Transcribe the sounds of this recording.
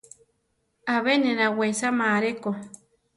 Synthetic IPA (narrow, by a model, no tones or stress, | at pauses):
aβenẽnawesamaɾeko